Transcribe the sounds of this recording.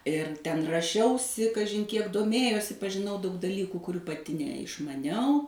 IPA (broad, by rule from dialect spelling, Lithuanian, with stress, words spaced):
ɪr tʲɛn rɐˈʃʲɛʊsʲɪ kɐˈʒʲɪn ˈkʲiɛk doːˈmʲeːjoːsʲɪ pɐʒʲɪˈnɐʊ dɐʊk dɐˈlʲiːkuː kʊˈrʲuː pɐˈtʲɪ nʲɛɪʃmɐˈnʲɛʊ